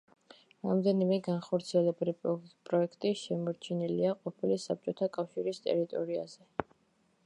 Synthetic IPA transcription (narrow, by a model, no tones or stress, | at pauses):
ɾamd̪ɛnimɛɡanχɔɾt̪sʰiɛlɛbɾipʼɾɔɛkʰt̪ʼiʃɛmɔɾt͡ʃʰiniliaqʼɔpʰilisap̚t͡ʃʼɔt̪ʰakʼafʃiɾist̪ʼɛ̰ɾit̪ʼɔɾia̰z̥ɛ